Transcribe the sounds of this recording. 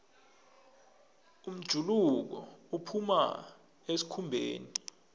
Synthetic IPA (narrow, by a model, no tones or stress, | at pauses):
um̩d̥ʒ̥ʱuluk̬ɔ̰upʰuma̰ | esi̥kʰumbʱḛːni